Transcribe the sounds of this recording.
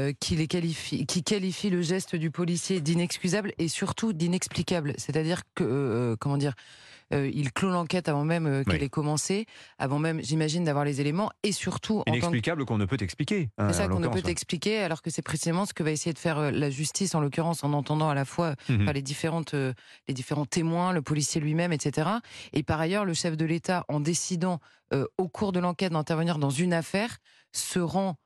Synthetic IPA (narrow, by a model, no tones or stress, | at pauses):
kʲʰilekalifikʲʰikalifiləʒɛst̪d̪ypɔlisjed̪inɛkskʲyzablesyʁt̪ud̪inɛksplikʲablset̪ad̪iʁkəkɔmɑ̃d̪iʁøḭlklolɑ̃kʲɛt̪avɑ̃mɛmøkɛlɛkɔmɑ̃sea̰vɑ̃mɛmʒimaʒind̪avwaʁlezelemɑ̃esyʁt̪ʰuʔɑ̃tnɛɑ̃plikabləkɔ̃nəpøt̪ɛksplikʲesɛsakɔ̃nəpøt̪ɛksplikʲealɔʁkəsɛpχesizemɑ̃sə̥kəvaesejed̪əfɛʁølaʒyst̪isɑ̃lɔkʲyʁɑ̃sɑ̃nɑ̃t̪ɑ̃d̪ɑ̃alafwapaʁled̪ifeʁɑ̃t̪ø | led̪ifeʁɑ̃t̪emwɛ̃ləpɔlisjelɥimɛmɛt̪set̪eʁaepaʁajœʁləʃɛfd̪əlet̪aʔɑ̃d̪esid̪ɑ̃ | øokʰuʁd̪əlɑ̃kʲɛt̪̚d̪ɛ̃t̪ɛʁvəniʁd̪ɑ̃zynafɛːʁ | səʁɑ̃